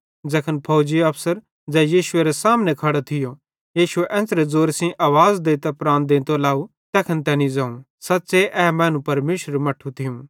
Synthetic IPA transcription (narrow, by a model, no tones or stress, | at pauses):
d͡zɛːkʰənpʰɐːd͡ʒiɐpʰsəɾ | d͡zɛjiːʃʊeːɾɛsaːmnekʰɐɽet̪ʰɪjo | jiːʃʊeʔɛ̃ːsɾɛd͡zoːɾsĩʔaːʋaːzd̪eːt̪apɾãːnd̪ẽːnt̪olaːu | t̪ɛːkʰənt̪ɛːnĩd͡zãːũ | sɐtːseʔɛːmɛ̃ːnũpɐɾmeːʃəɾmɐʈʰːũt̪ʰɪjũː